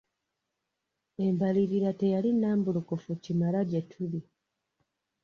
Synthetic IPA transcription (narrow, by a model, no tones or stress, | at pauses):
embaliɾiɾate̞jalinːaːmbulukufucimalaɟetʰuli